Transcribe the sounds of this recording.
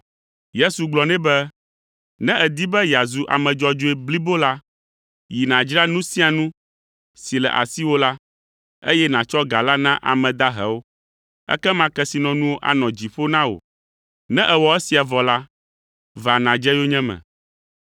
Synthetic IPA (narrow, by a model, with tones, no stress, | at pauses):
je˦su˨ɡ͡blɔ˨nɛ̃˦bɛ˦ | nɛ̃˦ʔɛ˨d̪i˦bɛ˦ja˨zu˨ʔa̰˨mɛ̃˨d͡ʒɔ˦d͡ʒo˦ɛ˦bli˦bo˦la˦ | ji˨nã˨d͡ʒɾa˦nũ˦sĩ˦a˨nũ˦ | si˨lɛ̰˨ʔa̰˨si˦wo˦la˦ | ḛ˦jɛ˦nã˨t͡ʃɔ˦ɡa˨la˦nã˦ʔa̰˨mɛ̃˨d̪a˦ɦɛ̰˨wo˦ | ɛ̰˦kɛ˦mã˦kɛ˦si˨nɔ̃˨nũ˦wo˦ʔa̰˨nɔ̃˨d͡ʑi˨ɸo˦nã˦wo̰˨ | nɛ̃˦ʔɛ˨wɔ˨ɛ˦si˨a˨vɔ˨la˦ | va˨nã˨d͡ʒɛ˦jo˦ɲɛ̃˦mɛ̰̃˨